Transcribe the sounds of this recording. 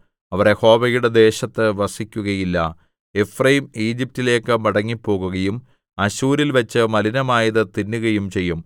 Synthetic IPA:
ɐʋɐreho̞ːbɐjuɽe̞d̪e̞ːɕɐt̪ːɨʋɐsikʲːuɣɐjilːɐ | e̞frɐjimiːd͡ʑip̚tile̞ːkːɨmɐɽɐŋːipːo̞ːɣuɣɐjum | ɐɕuːɾilʋɐt͡ɕːɨmɐlinɐmaːjɐðɨt̪inːuɣɐjumt͡ɕe̞jːum

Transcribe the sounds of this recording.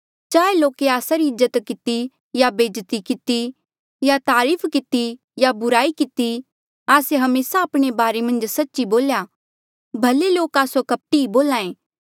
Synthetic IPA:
t͡ʃaːeloːkeaːsaɾiɪzːət̪kɪt̪i | jabeːd͡ʒt̪ikɪt̪i | jat̪aːɾiːfʰkɪt̪i | jabʊɾaːikɪt̪i | aːseɦɐmeːsaːpɽ̃ebaːɾemɐ̃nd͡ʒsɐtːʃiboːlja | bʱɐleloːkaːsokɐp̚ʈiiboːlaːẽː

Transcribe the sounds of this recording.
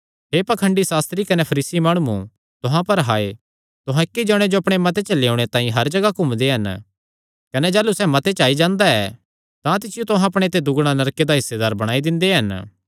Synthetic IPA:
ɦeːpɐkʰə̃ɳɖisaːst̪ɾikɐnepʰɐɾiːsimaːɽ̃ũũ | t̪ʊɦãpɐɾɦaːḛ | t̪ʊɦãɪkːed͡ʒɔːɽ̃ed͡ʒoɐpɽ̃emɐt̪̬et͡ʃleːoʊɽ̃et̪ãːĩɦɐɾd͡ʒɐɡakʊmd̪eɦɐn | kɐned͡ʒɛːlusɛmɐt̪et͡ʃaːid͡ʒãːnd̪aɛ̰ | t̪ãt̪̬ɪsɪjot̪ʊɦãɐpɽ̃et̪ed̪ʊɡɽ̃anɐɾked̪aɦɪsːed̪aːɾbɐɽ̃aːid̪ɪ̃nd̪eɦɐn

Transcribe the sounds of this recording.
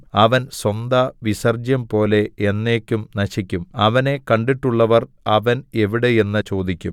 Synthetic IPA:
ɐʋɐnswɐnd̪ɐʋisɐrd͡ʑjɐmpo̞ːle̞enːe̞ːkʲːumnɐɕikʲːumɐʋɐne̞kɐɳɖiʈːuɭːɐʋɐr | ɐʋɐne̞ʋiɽe̞je̞nːɐt͡ɕo̞ːd̪ikʲːum

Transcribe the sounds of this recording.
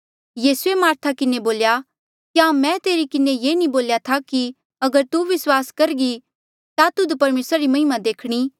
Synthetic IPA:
jiːsuemaːɾt̪ʰakɪneboːlja | kjamɛ̃t̪eːɾikɪnejeːnĩboːljat̪ʰaki | ɐɡəɾt̪uʋɪswaːskɐɾɡi | t̪at̪ʊd̪pɐɾmeːsɾaɾimɐ̃ɦɪmad̪eːkʰɽ̃i

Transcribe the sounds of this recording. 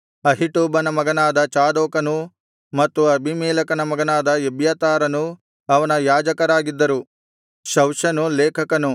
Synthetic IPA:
ɐɦiʈuːbɐnɐmɐɡɐnaːd̪ɐt͡ʃaːd̪oːkɐnu | mɐt̪ːuɐbʱimiːlɐkɐnɐmɐɡɐnaːd̪ɐebjɐt̪aːɾɐnu | ɐʋɐnɐjaːd͡ʒɐkɐɾaːɡid̪ːɐɾu | ʃɐwʃɐnuleːkʰɐkɐnu

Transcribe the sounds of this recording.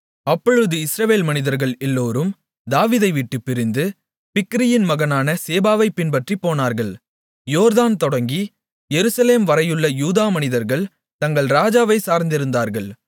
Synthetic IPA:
ɐpːɔɻɯðɯɪsɾɐʋeːlmɐnɪðɐɾɣɐɭɛlːoːɾɯm | d̪aːʋiːðɐɪʋiʈːɯpːɪɾɪnd̪ɯ | pɪkːɪɾɪjɪnmɐɣɐnaːnɐseːbaːʋɐɪpɪnpɐʈripːoːnaːɾɣɐɭ | joːɾðaːnt̪ɔɽɐŋɡi | jɛɾɯsɐleːmʋɐɾɐjɯɭːɐjuːðaːmɐnɪðɐɾɣɐɭ | t̪ɐŋɡɐɭɾaːd͡ʒaːʋɐɪsaːɾnd̪ɪɾɯnd̪aːɾɣɐɭ

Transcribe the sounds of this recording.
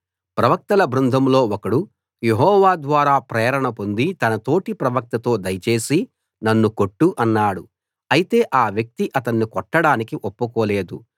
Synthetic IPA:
pɾɐʋɐk̚t̪ɐlɐbɾund̪ʱɐmlo̞ːɔkɐɽu | je̞ɦɔːʋaːd̪ʋaːɾaːpɾɛːɐɾɐɳɐpo̞nd̪it̪ɐnɐt̪o̞ːʈipɾɐʋɐk̚t̪ɐt̪o̞ːd̪ɐjɐt͡ʃe̞ːsi | nɐnːuko̞ʈːuʔɐnːaːɽu | ɐjit̪e̞ːʔaːʋjɐk̚t̪iʔɐt̪ɐnːikɔʈːɐɽaːnikiʔopːukoːle̞ːd̪u

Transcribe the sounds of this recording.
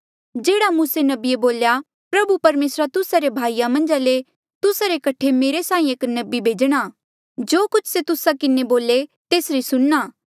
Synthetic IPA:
d͡ʒeːɽamuːsenɐbieboːlja | pɾɐbupɐɾmeːsɾat̪ʊsaɾebʱaːijamɐ̃nd͡ʒale | t̪ʊsaɾekɐʈʰemeːɾesãːĩeːknɐbibʱeːd͡ʒɽ̃aː | d͡ʒoːkʊt͡ʃʰset̪ʊsakɪneboːlet̪eːsɾisʊɽnaː

